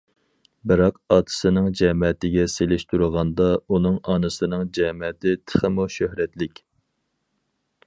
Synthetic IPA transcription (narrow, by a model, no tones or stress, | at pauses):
bɨɾɑqɑːt̪ʰɨ̥sɨnɨŋd͡ʒɛmɛt̪ɪɡʲɛselɪʃt̪ʰuɾəʁɑnd̪ɑunɨŋɑnɨsɨnɨŋd͡ʒɛmɛt̪ʰɪt̪ʰə̥χəmuʃøhɾɛt̪lɪkʲ